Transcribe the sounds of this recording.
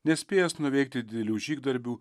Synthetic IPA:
nʲɛsʲpʲeːjɛsnʊʋʲɛɪk̚t̪ʲɪd̪ʲɪd̪ʲɛlʲuːʒʲiːɡd̪ɐɾʲbʲuː

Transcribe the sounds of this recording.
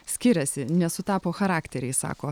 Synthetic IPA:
sʲkʲɪɾʲɛsʲɪnʲɛsʊt̪ɑːpoːxɐɾɑːkt̪ʲɛɾʲɛɪsɑ̰ːkoː

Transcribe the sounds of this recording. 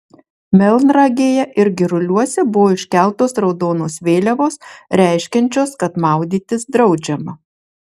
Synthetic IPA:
mʲɛlˠnɾɑɡʲeːjɛʔɪɾɡʲɪɾʊlʲuɔsʲɛbʊʋoːɪʃʲkʲæˑlˠt̪oːsɾɒʊd̪oːnoːsʋʲeːlʲɛʋoːsɾʲæˑɪʃʲkʲɛnʲt͡ʃʲoːskɐt̪mɑˑʊd̪ʲiːt̪ʲɪsd̪ɾɒʊd͡ʒʲɛmɐ

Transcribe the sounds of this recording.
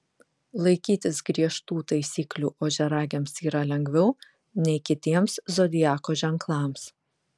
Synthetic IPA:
lˠɐɪkʲiːt̪ʲɪsɡɾʲiɛʃt̪uːt̪ɐɪsʲiːklʲuːʔoːʒʲɛɾɑːɡʲɛmsiːɾɐlʲɛŋɡʋʲɛʊ | nʲɛɪkʲɪt̪ʲiɛmszod̪ʲɪjæːkoːʒʲɛŋklˠɑːˑms

